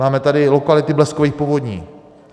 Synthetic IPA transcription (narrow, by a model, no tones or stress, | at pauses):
aːmɛt̪adɪlokalɪt̪ɪblɛskoviːxpovo̞d̪ɲiː